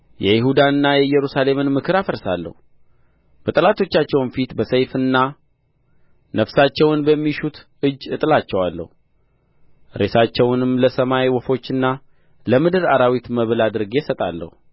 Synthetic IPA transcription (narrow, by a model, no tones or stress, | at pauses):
jɛjɪɦud̪aɨnːajɛjɛɾusale̞mɨnmɨkʰɨɾafəɾsa̰lːə̰hu | b̥ət̪ʼəlat̪ʰo̞t͡ʃːat͡ʃːɛwnfit̪bəsəjfɨnːa | nəfsat͡ʃːɛwnbəmːiʃut̪ | ɨd͡ʒːɨt̪ʼɨlat͡ʃːɛwalːə̰hu | ɾe̞sat͡ʃːɛwnɨmləsəmajwɔfo̞t͡ʃːɨnːa | ləmɨd̪ɨɾaɾawit̪məβlad̪ɨɾɡesət̪ʼa̰lːə̰hu